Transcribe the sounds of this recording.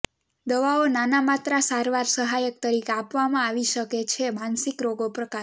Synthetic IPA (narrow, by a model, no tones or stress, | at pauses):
d̪əʋaonanamat̪ɾasaɾʋaɾsəɦajək̚t̪əɾikeapʋamãaʋiʃəket͡ʃʰemansikɾoɡopɾəka